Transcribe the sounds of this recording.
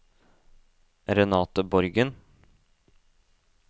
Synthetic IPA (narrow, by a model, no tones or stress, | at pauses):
ɾɛnɑːt̪əbɔɾɡən